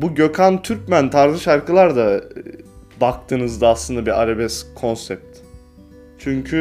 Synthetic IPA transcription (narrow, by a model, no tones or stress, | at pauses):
buɟøkʰant̪ʰyɾcmænt̪ʰaɾzɯʃaɾkʰɯlˠaɾd̪a | bak̚t̪ʰɯːnɯzd̪aːslˠɯnd̪abiɾaɾabɛskʰo̞nsɛp̚t̪ | t͡ʃʰyɲcʰy